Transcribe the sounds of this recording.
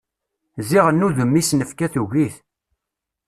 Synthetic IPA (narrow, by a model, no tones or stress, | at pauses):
ziʁənːuðəmːisnəfkæθuʝiθ